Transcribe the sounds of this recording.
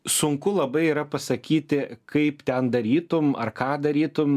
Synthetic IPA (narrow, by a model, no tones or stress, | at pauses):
sʊŋkʊlˠɐbɐɪiːɾɐpɐsɐkʲiːt̪ʲɪkɐɪpt̪ʲɛnd̪ɐɾʲiːt̪ʊmɐ̰rkɑːd̪ɐɾʲiːt̪ʊm